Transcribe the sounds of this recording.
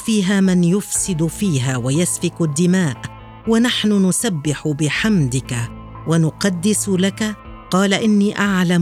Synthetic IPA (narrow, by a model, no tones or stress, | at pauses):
fiːɦaːmɪnjʊfsɪd̪fiːɦaːwajasfɪkʊd̪ːɪmaːʔ | wanaħnʊnʊsabːɪħʊbɪħamd̪ɪka | wanʊqɑd̪ːɪslaka | qɑːlaʔɪnːiːʔaʕlam